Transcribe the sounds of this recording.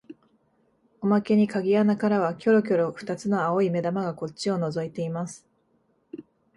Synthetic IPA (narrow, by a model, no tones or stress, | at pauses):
o̞make̞ɲ̟ikaɡʲijanakaɾaβakʲo̞ɾo̞kʲo̞ɾo̞ɸɯ̥t̪at͡sɨno̞aoime̞d̪amaɡako̞t͡ɕːɕio̞no̞zo̞it̪e̞imasɨ̥